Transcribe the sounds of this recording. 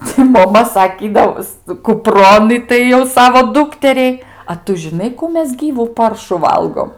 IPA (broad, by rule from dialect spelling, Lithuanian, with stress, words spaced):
tɐɪ moːˈmɐ sɐˈkʲiːdɐʋoːs kʊˈproːn ˈɪtɐɪ jɛʊ ˈsɑːʋoː ˈduːktʲɛrʲɛɪ ɐ ˈtʊ ʒʲɪˈnɐɪ kuː ˈmʲɛs ˈɡʲiːʋuː ˈpɐrʃʊ ˈʋɐlˠɡoːm